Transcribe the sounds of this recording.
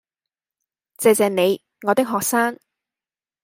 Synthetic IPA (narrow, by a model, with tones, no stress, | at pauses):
t͡sɛː˨˧t͡sɛː˨˧ne˨˧j | ŋɔː˨˧t̪ɪ˥k̚ɦɔː˨k̚saː˥ŋ